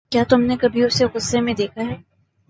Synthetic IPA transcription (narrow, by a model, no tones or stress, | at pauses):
kjaːt̪ʊmnekɐbʱiʊseɣʊsːemẽd̪eːkʰaɦɛː